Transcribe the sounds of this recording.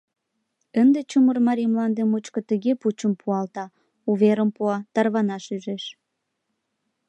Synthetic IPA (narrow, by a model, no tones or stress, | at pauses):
ənd̪et͡ɕumərmɑɾʲijmlɑnd̪emut͡ɕkŏt̪əɣeput͡ɕəmpuɑlt̪ɑ | uβeɾəmpuɑt̪ɑrβɑnɑʃyʒeʃ